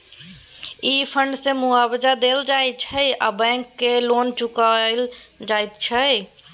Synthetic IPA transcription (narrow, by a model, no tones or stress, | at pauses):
ipʰəɳɖsẽmuabəd͡ʒad̪eld͡ʒajt̪̚t͡ʃʰəja̰bɛ̃ŋkːelont͡ʃukal | d͡ʒajt̪t͡ʃʰə